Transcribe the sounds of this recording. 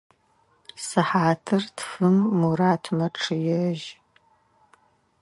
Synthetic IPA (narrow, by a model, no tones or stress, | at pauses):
sɨħaːtʰɨrtʰfɨmːuɾaːtʰmɐʈ͡ʂʰɨjɛʒ